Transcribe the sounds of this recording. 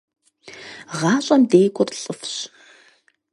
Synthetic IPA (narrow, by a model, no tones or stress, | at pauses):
ʁɑːɕʼɐmdeːkʷʼʊrɬʼəfɕ